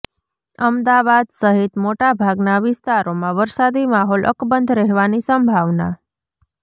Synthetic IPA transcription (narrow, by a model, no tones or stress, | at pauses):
əmd̪aʋad̪səɦit̪moʈabʱaɡnaʋɪst̪aɾomãʋəɾsad̪imaɦɔlʔə̰kbənd̪ʱɾəɦʋanisəmbʱaʋna